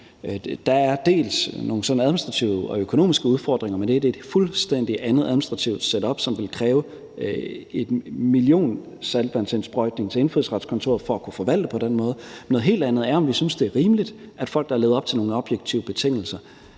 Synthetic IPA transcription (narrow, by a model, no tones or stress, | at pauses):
d̥ɑ̈æɐd̥e̝̰ːlsno̝ːn̩sɒ̽n̩æðˠminisd̥ʁɑ̈t͡sʰiʊɒ̽økʰo̝no̝̰ːmisɡ̥əuð̞ˠfɒːd̥ʁeŋɐmend̥e̝æɐd̥e̝ːd̥fulsd̥en̰d̥iʔænð̩ˠæðˠminsd̥ʁɑ̈t͡sʰiʊd̥seɾəɒ̽b̥sɒ̽mʋe̝lkʰʁɛːʊ | e̝d̥milio̝̰ːn | sælb̥ænsensb̥ʁɒɪd̥ne̝ŋt͡sʰe̝enfyðˠsʁɑ̈d̥skʰɒ̽nt͡sʰo̝̰ɐð̩ˠfɒ̽ækʰufɒ̽ʋæl̰d̥əpʰɒ̽denmɔ̽ːð̞̩ˠnɔðˠɦe̝̰ːld̥ænð̩ˠæɐɒ̽mʋisynsd̥e̝æɐʁiːmlid̥æd̥fɒ̽l̰ɡ̥d̥ɑ̈ɐle̝ːðˠɒ̽b̥t͡sʰe̝lno̝ːŋn̩əɒ̽b̥jeɡ̥̚t͡sʰiʊəb̥e̝t͡sʰe̝ŋ̰l̩sɐ